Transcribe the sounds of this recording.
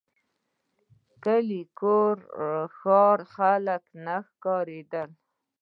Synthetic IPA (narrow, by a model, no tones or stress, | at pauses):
kəlikoɾxɑɾxaləknaxkɑɾed̪əl